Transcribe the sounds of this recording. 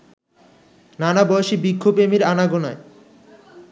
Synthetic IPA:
nanabɔoʃibikʰːobemiɾanaɡonae

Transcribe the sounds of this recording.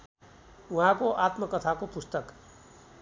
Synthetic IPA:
uɦãkoʔat̪mʌkːʌt̪ʰakopust̪ʌk

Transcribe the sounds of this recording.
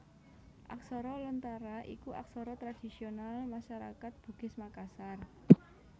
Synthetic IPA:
ʔa̰ksɔɾɔlɔnt̪aɾaʔḭkuʔa̰ksɔɾɔt̪ɾad̥i̤sionalmaʃaɾa̰kat̪̚b̥ṳɡ̥ɪ̤smakasar

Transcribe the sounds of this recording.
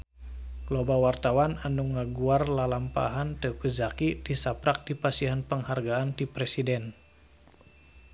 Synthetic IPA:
klobawart̪awananuŋaɡuarlalampa̰ɦant̪əkuzakidisapɾak̚dipasiɦanpəŋharɡaːnt̪ipɾɛsidɛn

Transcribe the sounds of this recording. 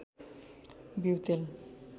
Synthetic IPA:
biwt͡ɕel

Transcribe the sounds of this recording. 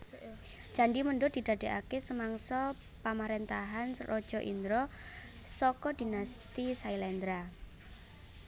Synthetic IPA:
d̥d͡ʒ̥a̤ɳɖiməɳɖʊd̪̥i̤d̪̥a̤d̥eʔa̰kesəmaŋsɔ | pamaɾent̪aɦanrɔd̥ʒ̥ɔʔḭnd̪ɾɔ | sɔkɔd̪̥inast̪isailɛnd̪ɾa

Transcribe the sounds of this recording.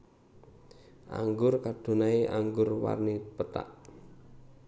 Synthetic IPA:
ʔa̰ŋɡʊrkad̥o̤naeʔaŋɡʊrwa̰rnipət̪a̰ʔ

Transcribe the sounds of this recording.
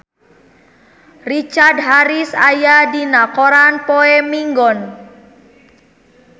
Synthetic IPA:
rit͡ʃardɦaɾisajadinakɔɾanpɔɛmiŋɡɔn

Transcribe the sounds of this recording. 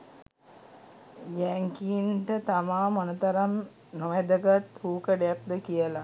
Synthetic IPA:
jæŋkiinʈət̪amaːmonət̪aɾam | noʋæd̪əɡat̪huːkəɖəjak̚d̪əkijəla

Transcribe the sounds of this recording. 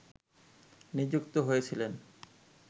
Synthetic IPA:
nid͡ʑukt̪oɦojet͡ɕʰilen

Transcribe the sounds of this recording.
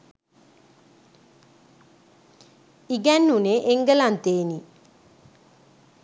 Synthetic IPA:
iɡænːuneʔeŋɡəlant̪eːni

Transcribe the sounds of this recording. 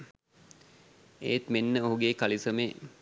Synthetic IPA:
ḛːt̪menːəoɦuɡeːkalisəmeː

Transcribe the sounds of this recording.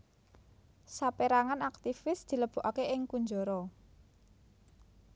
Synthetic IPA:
sapeɾaŋanakt̪ifɪsd̪̥i̤ləb̥ṳʔakeʔɪŋkuɲd͡ʒoɾɔ

